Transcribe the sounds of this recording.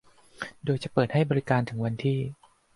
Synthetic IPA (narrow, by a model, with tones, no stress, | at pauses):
doː˧jt͡ɕa˨˩pɤː˨˩t̪̚ha˥˩jbɔː˧ɾi˦˧kaː˧nt̪ʰɯ˩˦ŋwa˧nt̪ʰiː˥˩